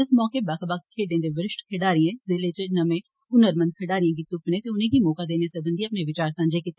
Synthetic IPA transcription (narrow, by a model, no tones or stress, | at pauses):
ɪsmɔːkeːbaːkbakkʰeːɖẽːd̪eːʋəɾɪʃʈkʰeɽaːɾɪjɛ̃ːzɪleːt͡ʃnəmẽː | ʊnəɾmənd̪̚kʰəɽaːɾɪjãːɡiːt̪ʊpnẽːt̪eːʊnẽːɡiːmoːkaːd̪eːneːsəb̪ənd̪iːəpneːʋɪt͡ʃaːɾsãːd͡ʒeːkiːt̪ːe